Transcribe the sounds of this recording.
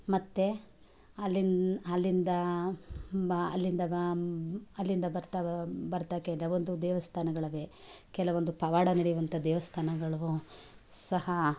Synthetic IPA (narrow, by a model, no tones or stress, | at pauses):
mɐt̪ːe̞ | ɐlːinɐlːind̪ɐ | ɐlːind̪ɐ | ɐlːind̪ɐbɐɾt̪abɐɾt̪akɛɐʋond̪ud̪ɛːʋɐst̪ʰaːnɐɡɐɭɐʋeː | kɛlɐʋo̞nd̪upɐʋaːɽɐnɐɽijuʋɐnt̪ʰɐd̪ɛːʋɐst̪ʰaːnɐɡɐɭɐʋu | sɐhɐ